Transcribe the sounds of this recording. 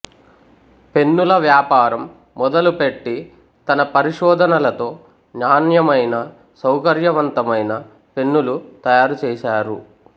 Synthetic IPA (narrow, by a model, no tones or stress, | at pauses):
pe̞nːulɐʋjaːpaːɾɐmː | ɔd̪ɐlupe̞ʈːi | t̪ɐnɐpɐɾiʂɔːd̪ʱɐnɐlɐt̪o̞ː | ɲaːnjɐmɐjnɐ | sɐwkɐɾjɐʋɐnt̪ɐmɐjnɐ | pe̞nːulut̪ɐjaːɾut͡ʃɛːʃaːɾu